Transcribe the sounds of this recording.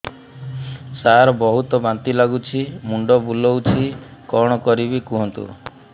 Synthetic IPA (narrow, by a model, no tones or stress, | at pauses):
saɾɔbɔɦut̪ɔbant̪ilaɡut͡ʃʰimuɳɖɔbulɔwt͡ʃʰikɔɽ̃ɔkɔɾibikuɦɔnt̪ṵ